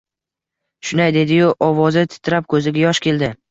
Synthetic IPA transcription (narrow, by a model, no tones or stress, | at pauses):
ʃʊnajd̪e̞d̪ɪjʊʔɒvɒzɪt̪ʰɪ̥t̪ʰɾap̚kʰɵzɪɡʲajɒʃkʲʰe̞ld̪ɪ